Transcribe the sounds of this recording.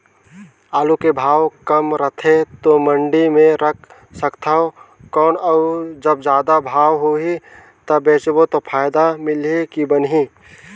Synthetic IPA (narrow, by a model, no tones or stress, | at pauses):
aːlukebʱaːwkəmɾət̪ʰet̪omə̃ɳɖimẽɾək̚ʰ | səkt̪ʰaɦo | kɔːnəd͡ʒəbd͡ʒjaːd̪abʱaːwɦoɦi | t̪əbeːt͡ʃbot̪opʰaːjd̪amɪlekibənɦi